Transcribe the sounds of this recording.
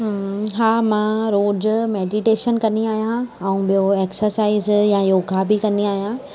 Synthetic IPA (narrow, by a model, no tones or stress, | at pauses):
ɦaːmãɾoːd͡ʑmeːɖiʈeːʃənkɐniaːɦijãɛ̃ũɓijoeːksəɾsaːizjãjoːɡʱabikɐniaːɦijã